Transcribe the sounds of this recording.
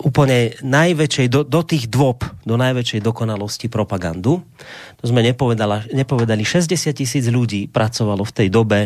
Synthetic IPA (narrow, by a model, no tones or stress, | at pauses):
uːpl̩ɲɛnajʋɛt͡ʃɛjd̪ɔd̪ɔt̪iːɣd̪ʋɔpd̪ɔnajʋɛt͡ʃɛjd̪ɔkɔnalɔscipɾɔpaɡa̰nd̪u | t̪ɔzmɛɲɛpɔʋɛd̪alaɲɛpɔʋɛd̪aliʃɛzɟɛsɪat̪̚cisiːd͡zʎuɟiːpɾat͡sɔʋalɔft̪ɛjd̪ɔbɛ